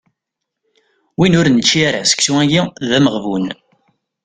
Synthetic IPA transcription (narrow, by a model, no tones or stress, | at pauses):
winʊɾnət͡ʃːiaɾa̰sə̥ksuæɡiðæməʁvun